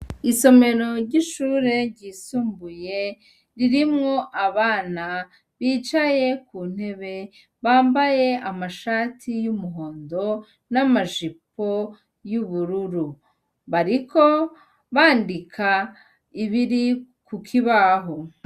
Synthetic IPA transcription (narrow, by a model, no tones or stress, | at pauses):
iso̞me̞ɾo̞ɾɟiʃuːɾe̞ɾɟiːsuːmbuje̞ | ɾiɾimŋo̞ʔaβaːna | βiːt͡ʃaje̞kuːn̥he̞βe̞ | βaːmbaje̞amaʃaːtʰijumuɦo̞ːndo̞ | namaʒip̚o̞ | juβuɾuɾu | βaɾiko̞ | βaːndikʰa | iβiɾi | kukʰiβaɦo